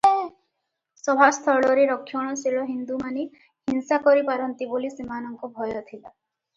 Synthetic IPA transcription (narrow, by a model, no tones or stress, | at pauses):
sɔbʱast̪ʰɔɭɔɾeɾɔkʰjɔɽ̃ɔsiɭɔɦind̪umane | hinsakɔɾipaɾɔnt̪ibolisimanɔŋkɔbʱɔjɔt̪ʰila